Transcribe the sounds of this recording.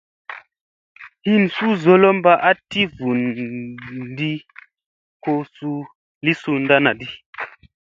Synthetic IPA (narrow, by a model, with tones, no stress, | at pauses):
hi˦nsu˦zo˦lo˦mba˦ʔa˦ti˦vu˨n | di˦ | ko˧su˧ | li˦su˧nda˦na˨di˦